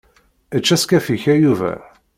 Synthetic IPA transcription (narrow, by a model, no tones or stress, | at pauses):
ət͡ʃːæskæfiçæjuvæ̰